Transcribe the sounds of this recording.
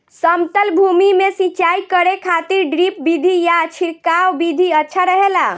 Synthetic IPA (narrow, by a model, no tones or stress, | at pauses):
səmt̪əlbʱumimesit͡ʃaikəɽekʰat̪iɾɖɾip̚bid̪ʱijat͡ʃʰiɾkawbid̪ʱiətːʃʰaɾəɦela